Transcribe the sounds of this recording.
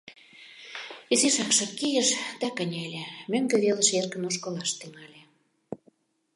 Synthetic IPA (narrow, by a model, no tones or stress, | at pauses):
izeʃɑkʃɤ̆t̪kijə̆ʃd̪ækə̆nʲælʲĕmøŋɡĕβelə̆ʃerkə̆noʃkɤ̆lɑʃt̪yŋɑlʲe